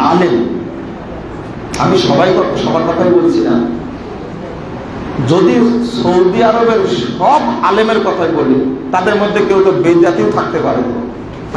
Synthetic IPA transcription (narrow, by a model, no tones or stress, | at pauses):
alem | amiʃɔbajkɔʃɔbaɾkɔt̪ʰajbolt͡ɕʰina | d͡ʑod̪isoud̪iaɾobeɾʃɔbalemeɾkɔt̪ʰajbolit̪ad̪eɾmod̪ʱːekewt̪obid̪jat̪iot̪ʰak̚t̪epaɾeo